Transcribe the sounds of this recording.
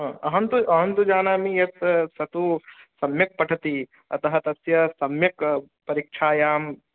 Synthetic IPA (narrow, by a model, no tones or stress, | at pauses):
ɦɐ̃ːɐɦɐnt̪uɐɦɐnt̪ud͡ʒaːnaːmijɐt̪sɐt̪usɐmjɐk̚pɐʈʰɐt̪i | ɐ̰t̪ɐɦɐt̪ɐsjɐsɐmjɐk | pɐɾikʃʰaːjaːm